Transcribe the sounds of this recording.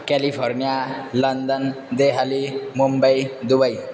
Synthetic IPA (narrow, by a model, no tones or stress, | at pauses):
kɛlipʰɔɾnijalʌnd̪ən | d̪eɦalimumbajd̪ubaj